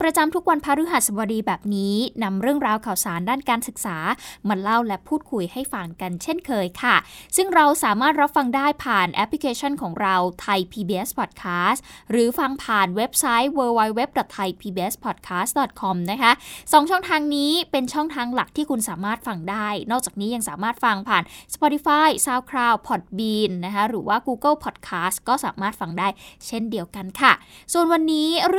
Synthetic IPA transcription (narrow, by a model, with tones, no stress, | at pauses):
pɾa˧t͡ɕa˧mt̪ʰu˦˥k̚wa˧npʰaː˦˧˥ɾu˦˥ɦa˨t̪̚sa˨˩wa˧diː˧bɛː˨˩p̚niː˦˥na˧mɾɯ˥˩əŋɾaː˧wkʰaː˨˩wsaː˩˦ndaː˥˩nkaː˧nsɯ˨˩k̚saː˩˦ma˧la˥˩wlɛ˦˥pʰuː˥˩t̪̚kʰu˧jha˥˩jfa˧ŋka˧nt͡ɕʰe˥˩nkʰɤː˧jkʰa˥˩sɯ˥˩ŋɾa˧wsaː˩˦maː˥˩t̪̚ɾa˦˥p̚fa˧ŋdaː˥˩jpʰaː˨˩nʔɛ˦˥pʰli˦kʰeː˧t͡ɕʰɔ˥˩nkʰɔː˩˦ŋɾa˧wt̪ʰa˧jpʰiː˧biː˧ʔe˦˥spʰɔː˨˩kʰaː˦˥sɾɯː˩˦fa˧ŋpʰaː˨˩nwe˦˥p̚sa˦˥jwɤː˧wa˧jwe˦˥p̚dɔ˨˩t̪ʰːa˧jpʰiː˧biː˧ʔe˦˥spʰɔ˨˩t̪̚kʰaː˦˥st̪dɔː˨˩t̪̚kʰɔ˧mna˦˥kʰa˦˥ʔsɔː˩˦ŋt͡ɕʰɔ˥˩ŋt̪ʰaː˧ŋniː˦˥pe˧nt͡ɕʰɔ˥˩ŋt̪ʰaː˧ŋla˨˩k̚t̪ʰiː˥˩kʰu˧nsaː˩˦maː˥˩t̪̚fa˧ŋdaː˥˩jnɔː˥˩k̚t͡ɕaː˨˩k̚niː˦˥ja˧ŋsaː˨˩˦maː˥˩t̪̚fa˧ŋpʰaː˨˩nspɔ˧t̪i˧˥faː˥˩jsaː˥˩wkʰɾaː˥˩wpʰɔ˨˩t̪̚biː˧nːa˦˥kʰa˦˥ɾɯː˩˦waː˥˩kuː˧kɤ˥˩lpʰɔː˨˩t̪̚kʰaː˦˥stkɔː˥˩saː˩˦maː˥˩t̪̚fa˧ŋdaː˥˩jt͡ɕʰe˥˩ndi˧əwka˧nkʰa˥˩su˨˩ənwa˧nːiː˦˥ɾ